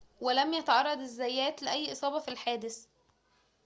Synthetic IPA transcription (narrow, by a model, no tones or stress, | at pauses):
welæmjæt̪ɑʕɑrˤːɑd̪ezːæjːæːt̪leʔæjːʔɨsˤɑːbɑfilħaːd̪ɪs